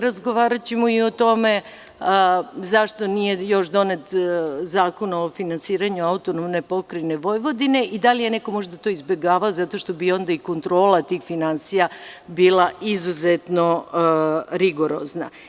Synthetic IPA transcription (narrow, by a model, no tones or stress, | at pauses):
ɾazɡo̞ʋaːɾat͡ɕemoiot̪o̞me̞ | zaʃt̪o̞nije̞jo̞ʃd̪o̞ne̞t̪zaːko̞naofinansiːɾaɲuaut̪onomne̞po̞kɾejne̞ʋo̞jʋo̞d̪ine̞ʔid̪alijene̞ko̞mo̞ʒd̪at̪o̞ːizbje̞ɡaːʋao̞zat̪o̞ʃt̪o̞bio̞nd̪aiko̞nt̪ɾo̞ːlˠat̪iːxfinansijabiːlˠaʔizuzet̪no̞ | ɾiɡo̞ɾo̰zna̰